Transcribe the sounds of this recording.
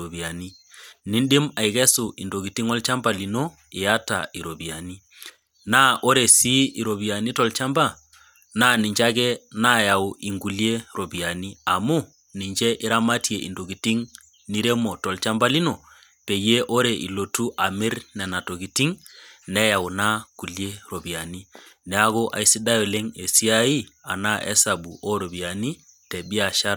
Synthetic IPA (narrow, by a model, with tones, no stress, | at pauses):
o˨bi˨a˨ni˦ | ni˦nɗɪ˦ma˨i˨ɣɛ˦su˨i˨ndo˨ɣi˨ti˦ŋɔ˦lt͡ʃa˦mba˨li˨no˦ | ɪ˨ja˦ta̰˨i˨ɾo˨bi˨a˨ni˦ | na˦ʔo˦ɾe˨si˦i˨ɾo˨βi˨a˨ni˦tɔ˨lt͡ʃa˦mba˦˨ | na˦ni˨ɲd͡ʒa˦kɛ˦na˦ja˨wi˨ŋɡu˨lje˦ɾo˨bi˨a˨ni˦a˨mu˦ | ni˨ɲd͡ʒɛ˦ʔɪ˦ɾa˦ma˦ti˦e˨ʔḭ˨ndo˨ɡi˨ti˦ŋ | ni˦ɾe˦mo˨tɔ˨lt͡ʃa˦mba˦li˦no˨ | pe˨je˦ʔo˦ɾɛ˨ʔḭ˨lo˨tu˦ʔa˨mi˦ɾnɛ˨na˨to˨ɡi˨ti˦ŋnɛ˦ja˨wna˦ku˨lje˦ɾo˨bi˨a˨ni˦ | nɛ˨˦a˦ɣo˦ʔa̰˨i˦si˦da˦jo˨le˦ŋe˨si˦a˦ji˦a̰˨na˦ʔɛ̰˦sa˨bu˨ʔo˦ɾo˨bi˨a˨ni˦ | tɛ˨bi˦a˨ʃa˦ɾ